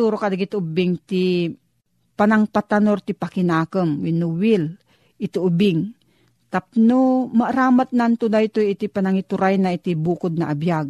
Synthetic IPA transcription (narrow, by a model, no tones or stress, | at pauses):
t̪uɾokad̪aɡit̪ʊbɪŋt̪i | panaŋpat̪anoɾt̪ipakɪnaːkəmwinʊwil | ɪt̪iʔubɪŋ | t̪ap̚nomaʔɾaːmat̪̚nant̪ud̪ajt̪ojɪt̪ipanaŋit̪ʊɾajnait̪ibuːkʊd̪̚naʔabjaɡ̚